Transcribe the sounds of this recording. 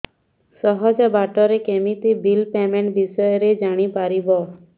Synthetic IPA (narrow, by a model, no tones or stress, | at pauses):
səɦɔd͡ʒabaʈɔɾekemit̪ibilpemẽɳʈbisəjɾed͡ʒaɽ̃ipaɾibɔ